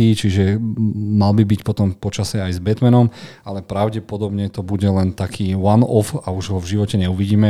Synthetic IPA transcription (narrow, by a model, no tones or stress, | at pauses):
iːt͡ʃiʒɛmalbibicpɔt̪ɔmpɔt͡ʃasɛajzbɛt̪mɛnɔm | alɛpɾaʊɟɛpɔd̪ɔbɲɛt̪ɔbuɟɛlɛnt̪akʰiːwanɔfauʒɦɔvʒiʋɔcɛɲɛuʋiɟiːmɛ